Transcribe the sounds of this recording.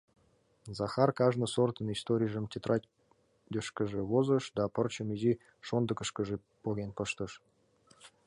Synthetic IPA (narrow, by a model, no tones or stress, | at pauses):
zɑxɑrkɑʒnɤ̆sort̪ə̆nist̪oɾʲijʐə̆mtʲet̪rɑ | d̪ʲəʃkə̆ʒĕβozə̆ʃd̪ɑpə̆rt͡ɕə̆mizi | ʃond̪ə̆kə̆ʃkə̆ʒe | poɣʲenpəʃt̪ɤ̆ʃ